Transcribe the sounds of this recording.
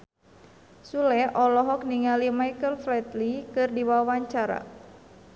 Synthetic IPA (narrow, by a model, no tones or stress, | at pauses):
sulɛʔɔlɔɦɔk̚niŋalimajkəlflɛt̪likɨrdiwawaɲt͡ʃaɾa̰